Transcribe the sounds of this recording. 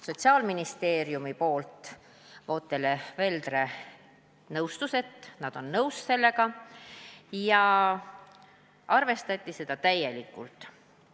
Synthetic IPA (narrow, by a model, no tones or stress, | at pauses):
so̞t̪ʲsiɑːlminist̪e̞ːɾjumipo̞ːlt̪ˑ | vo̞ːt̪ːˑe̞leve̞ld̪re̞ | nɤwst̪use̞t̪ːnɑd̪̥o̞nːɤwsse̞lːe̞ɡɑ | jɑ | ɑrve̞st̪ɑt̪ʲˑːise̞d̪̥ɑt̪æje̞likːˑult̪ˑ